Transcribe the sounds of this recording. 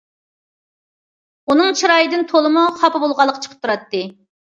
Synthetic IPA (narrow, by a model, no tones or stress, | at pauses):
unɨŋt͡ʃʰiɾɑjid̪ɨnt̪ʰolˠɨmuχɑpɨbolˠʁɑlˠːəqʰːɑt͡ʃʰə̥qʰə̥p̚t̪ʰuɾɑt̪ːɨ